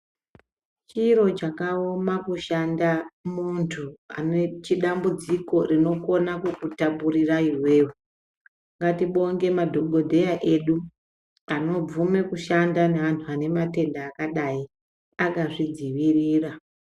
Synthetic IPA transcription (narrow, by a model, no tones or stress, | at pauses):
t͡ʃiɾo̞t͡ʃakaomakuʃandamuntʰua̰net͡ʃiɗambud͡ziko̞rino̞ko̞nakukutapurirairwe̞ːru | ŋɡatiɓo̞ŋɡe̞madʱo̞ɡʱo̞dʱe̞jaʔe̞ɗu | ano̞b͡vume̞kuʃandaneʋantʰuane̞mate̞ndaːkaɗai | akaʐid͡ziʋiriːra